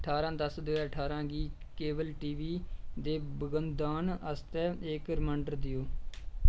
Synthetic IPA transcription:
əʈʰaːɾãːd̪əsd̪ʊɛːəʈʰaːɾãːɡiː | keːbəlʈiːʋiːd̪eːbəɡənd̪aːnəst̪ɛːeːkɾɪmãːɳɖəɾd̪ɪjoː

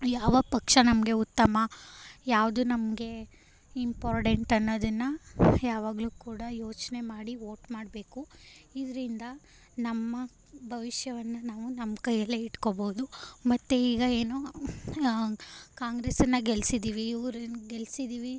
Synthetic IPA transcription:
jaːʋɐpɐkʂɐnɐmɡe̞ut̪ːɐmɐjaːʋd̪unɐmɡe̞ | impaːɾʈeɳʈɐnːoːd̪ɐnːɐjaːʋaːɡɐluːkuːɽɐjo̞ːt͡ʃne̞maːɽiʋoːʈmaːɽbe̞ːkuid̪ɐɾind̪ɐ | nɐmːɐ | bʱɐʋiʃjɐʋɐnːɐnaːʋunɐmkɐjɐlːeiʈkoboud̪umɐt̪ːeiːɡɐeːno | kaːŋɡɾesɐnːɐɡelsid̪iːʋiːʋɾɐɡelsid̪iːʋi

